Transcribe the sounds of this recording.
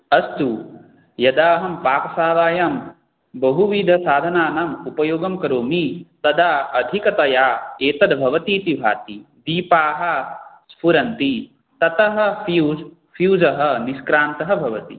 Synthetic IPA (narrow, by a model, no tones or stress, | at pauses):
ɐst̪u | jɐd̪aːɦɐmpaːkɐsaːʋaːjɐm | bɐɦuʋiːd̪ʱɐsaːd̪ʱɐnaːnɐmupɐjoːɡɐmkɐɾoːmit̪ɐd̪aːɐd̪ʱikɐt̪ɐjaːeːt̪ɐd̪bʱɐʋɐt̪iːt̪ibʱa̰ːt̪id̪iːpaːɦɐ̆spʰuɾɐnt̪i | t̪ɐt̪ɐɦɐ̆fiu | fjuːd͡ʒɐɦɐ̆niskɾaːnt̪ɐɦɐbʱɐʋɐt̪i